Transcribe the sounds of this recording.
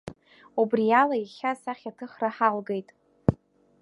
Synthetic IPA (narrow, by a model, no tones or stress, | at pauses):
ubrijalajiχʲasaχʲatʰɨχraħalɡejtʼ